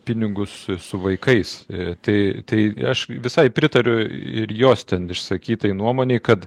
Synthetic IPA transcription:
pʲɪnʲɪɡʊssʊʋɐɪkɐɪst̪ɐɪt̪ɐɪɐʃʋʲɪsɐɪpʲɾʲɪt̪ɐɾʲʊɪɾjoːst̪ʲɛnɪʃsɐkʲiːt̪ɐɪnuɔmoːnʲeɪkɐt̪

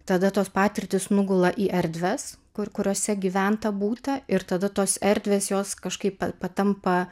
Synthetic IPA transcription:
t̪ɐd̪ɐt̪oːspɑːt̪ʲɪɾʲt̪ʲɪsnʊɡʊlˠɐʔiːʔɛɾʲd̪ʲʋʲɛskʊkʊɾʲoːsʲɛɡʲiːʋʲænt̪ɐbuːt̪ɐɪɾt̪ɐd̪ɐt̪oːsɛɾʲd̪ʲʋʲeːsjoːskɐʃkɐɪppɐpɐt̪ɐmpɐ

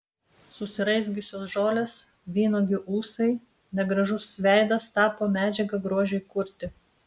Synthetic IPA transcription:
sʊsʲɪɾɐɪzʲɡʲʊsʲoːsʒoːlʲeːs | ʋʲiːnoːɡʲɪʔuːsɐɪ | nʲɛɡɾɐʒʊsːʲʋʲæˑɪd̪ɐst̪ɑːpoːmʲæːd͡ʒʲɛɡɐɡɾuɔʒʲɛɪkʊɾʲt̪ʲɪ

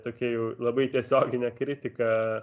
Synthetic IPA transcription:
t̪oːkʲɛjɛʊlˠɐbɐɪt̪ʲiɛsʲoːɡʲɪnʲɛkɾʲɪt̪ʲɪkɐ

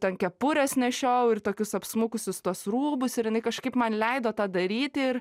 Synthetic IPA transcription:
tʲɛnkʲɛpʊɾʲɛsnʲɛʃʲoːʊɪrt̪oːkʲʊsɐpsmʊkʊsʲʊst̪uɔsɾuːbʊsɪɾjɪnɐɪkɐʃkɐɪpmɐnlʲɛɪd̪oːt̪ɑːd̪ɐɾʲiːt̪ʲɪɪr

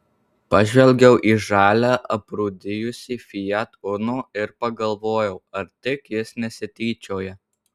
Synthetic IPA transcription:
pɐʒʲʋʲɛlʲɡʲɛʊʔiːʒɑːlʲæːʔɐpɾuːd̪ʲɪjʊsʲiːfʲɪjɛt̪ʊnoːɪɾpɐɡɐlˠʋoːjɛʊɐɾt̪ʲɪkjɪsnʲɛsʲɪt̪ʲiːt͡ʃʲoːjɛ

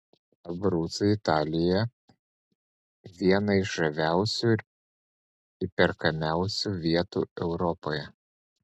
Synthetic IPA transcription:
ɐbɾuːt̪sɐɪt̪ɑːlʲɪjɛ | ʋʲiɛnɐɪɪʃʒɐʋʲæˑʊsʲu | ɪpʲɛɾkɐmʲæˑʊsʲuʋʲiɛt̪ṵːɛʊɾɔpoːjɛ

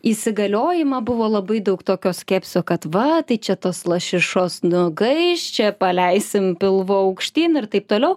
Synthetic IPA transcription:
isʲɪɡɐlʲoːjɪmɐbʊʋoːlˠɐbɐɪd̪ɐʊkt̪oːkʲoːsʲkʲæːpʲsʲoːkɐt̪ʋɐt̪ɐɪt͡ʃʲɛt̪oːslˠɐʃʲɪʃoːsnʊɡɐɪʃt͡ʃʲɛpɐlʲɛɪsʲɪmpʲɪlˠʋoːɐʊkʃʲt̪ʲiːnɪrt̪ɐɪp̚t̪oːlʲɛʊ

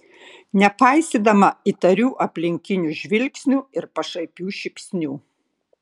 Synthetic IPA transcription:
nʲɛpɐˑɪsʲiːd̪ɐmɐit̪ɐɾʲuːʔɐpʲlʲɪŋʲkʲɪnʲuʒʲʋʲɪlʲksʲnʲuːɪɾpɐʃɐɪpʲuːʃʲɪpʲsʲnʲuː

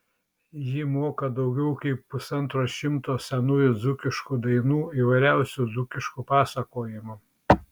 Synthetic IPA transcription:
jɪmoːkɐd̪ɒʊɡʲɛʊkɐɪppʊsɐnt̪ɾoːʃʲɪmt̪oːsʲɛnʊjʊd̪zʊkʲɪʃkud̪ɐɪnuːiːʋɐɪɾʲæˑʊsʲuːd̪zʊkʲɪʃkupɑːsɐkoːjɪmʊ

